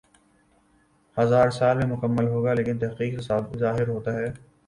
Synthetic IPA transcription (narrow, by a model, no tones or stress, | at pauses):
hɐzaːɾsaːlmẽmʊkəmːəlɦoːɡaːleːkɪnt̪ɛɦqiːqɦɪsaːb̚zaːɦɪɾɦoːt̪aɦɛː